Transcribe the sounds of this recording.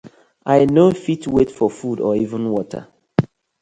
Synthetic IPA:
ʔaɪnofitwetfɔfudɔivə̃nwɔtʰə̰

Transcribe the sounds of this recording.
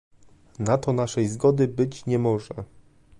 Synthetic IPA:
nat̪ɔnaʂɛjzɡɔd̪ɘbɘt͡ɕɲɛmɔʐɛ

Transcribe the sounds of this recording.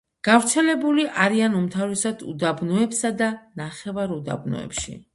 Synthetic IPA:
ɡ̥avɾt̪sʰɛlɛbuliʔaɾianumt̪ʰavɾɛsad̪ṵd̪abnɔɛpsad̪anaχɛvaɾud̪a̰bnɔ̰ɛ̰pʃḭ

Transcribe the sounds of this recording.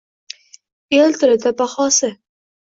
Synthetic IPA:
elt̪ʰɪɾɪd̪abaχɒːsɪ

